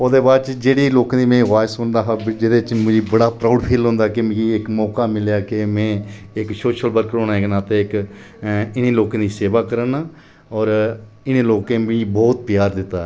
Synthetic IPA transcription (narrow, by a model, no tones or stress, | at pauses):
oːd̪eːbaːd̪t͡ʃd͡ʒeːɽiːloːkãːd̪iːmɛ̃ːʋaːjsɦʊ̃nd̪aːɦabd͡ʒeːdet͡ʃmʊd͡ʒiːbəɽaːpɾaːʊɖpʰeːlɦõːnd̪aːkemiɪkmɔːkaːmɪljaːkemɛ̃ː | ɪkʃoːʃəlbəɾkəɾoːnaeknaːt̪eɪk | ɪnẽːloːkãːd̪iːseːʋaːkəɾəna | ɔːɾ | ɪnẽːloːkẽːmɪ̃bɔːt̪̚pɪjaːɾd̪ɪt̪ːaː